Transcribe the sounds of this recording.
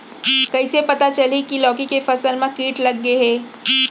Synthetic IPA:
kɐisepɐt̪at͡ʃɐlikilɔːkikefɐsəlmãkiːʈlɐɡːeɦeː

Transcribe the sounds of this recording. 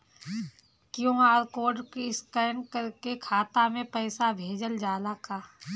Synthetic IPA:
kjõːaːɾkoːɖkeskəːnkəɾkekʰaːt̪amẽpɛːsabʱeːd͡ʒəld͡ʒaːlakaː

